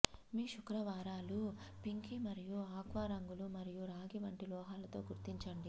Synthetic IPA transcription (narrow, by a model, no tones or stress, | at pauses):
miːʃukɾɐʋaːɾaːlupiŋkimɐɾijuaːkʋaːɾɐŋɡulumɐɾijuɾaːɡiʋɐɳʈilɔːɦaːlɐt̪o̞ːɡuɾt̪iɲt͡ʃɐɳɖi